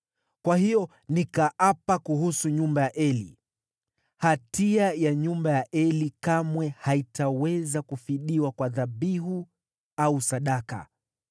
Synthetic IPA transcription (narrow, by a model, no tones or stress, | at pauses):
kwahijɔ | nikaʔapakuhusuɲumbajaʔɛlḭ | hatiajaɲumbajaʔɛlikamwɛhaitawɛzakufiɗiwakwaðaɓiɦu | ausaɗaka̰